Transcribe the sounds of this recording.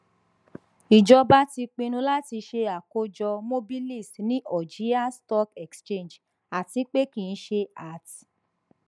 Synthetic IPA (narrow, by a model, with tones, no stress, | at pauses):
i˨d͡ʒɔ˧ba˦ti˧k͡pĩ˧nũ˧la˦ti˧ʃe˧a˨ko˧d͡ʒɔ˧mo˦bi˦li˦˨stnĩ˦ʔɔ˨d͡ʒi˨˦a˦stɔ˦kɛ˨kst͡ʃe˦˨n˨d͡ʒ | a˨ti˨˧˦k͡pe˦kĩ˨ñ̩˦ʃe˧a˦˨t